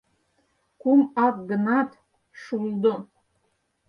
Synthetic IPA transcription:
kʷumak̚ʼɡɨnatʰ | ʂuld̪o

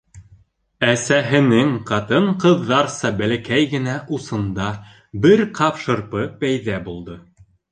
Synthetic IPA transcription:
æsæɦɘ̆nɘŋqɑt̪ɤɴqɤ̆ðːɑɾsɑbælækæjɡɘ̆næʔusɤ̆nd̪ɑ | bɘɾqʰɑpʃɤ̆ɾpɤpæjðæbulˠd̪ɤ

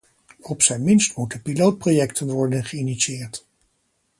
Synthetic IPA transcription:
ɔpsɛjnmɪnstmutəpilowt̚projɛktʰənʋɔɹdənχəiniʃiɪːɹt

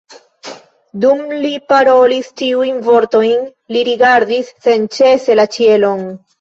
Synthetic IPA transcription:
dumlipaɾo̞listiujnvo̞ɾto̞jn | liɾiɡaɾdisːe̞nt͡ʃe̞se̞lat͡ʃie̞lo̞n

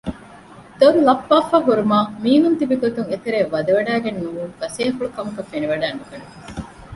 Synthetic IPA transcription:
d̪ollɐpːaːfaːɦuɾumaːmiːɦunt̪ibiɡot̪uŋet̪eɾeːʋɐd̪ɐʋɐɖæːɡenːumuːŋɡɐseːfuɭukɐmɐkɐfeniʋɐɖæːnːukɐne

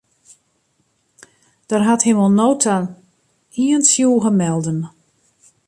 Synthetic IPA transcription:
d̥ərɦathɪmɔnoːtʰa | iənsjuːɣəmɛlˠdən

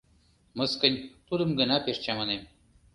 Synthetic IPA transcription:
mɤ̆skə̆nʲt̪ud̪ə̆mɡə̆nɑpeʃt͡ɕɑmɤ̆nem

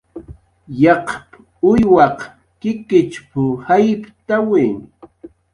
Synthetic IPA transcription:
jɑqp | ʊjwɑq | kɪkɪt͡ʃpʊhajpt̪awi

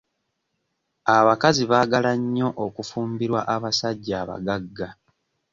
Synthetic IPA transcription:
aβakaziβaːɡalaɲːo̞ʔokufuːmbiɾwaʔaβasaɟːaːβa̰ɡaɡːa

